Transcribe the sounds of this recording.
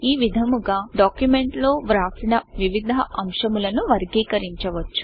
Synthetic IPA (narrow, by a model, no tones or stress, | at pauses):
iːʋid̪ʱɐmuɡaːɖaːkjume̞ɳʈlo̞ːʋɾaːsinɐʋiʋid̪ʱɐʔɐmʃɐmulɐnuʋɐɾɡiːkɐɾiɲt͡ʃɐʋɐt͡ʃːu̥